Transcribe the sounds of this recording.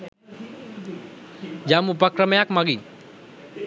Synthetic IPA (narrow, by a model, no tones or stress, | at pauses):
d͡ʒamupakɾəmejakmaɡiɲ